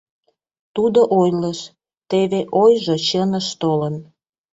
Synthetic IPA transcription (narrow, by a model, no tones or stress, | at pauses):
t̪ud̪oʔojləʃ | t̪eβeʔojʒot͡ɕənəʃt̪olən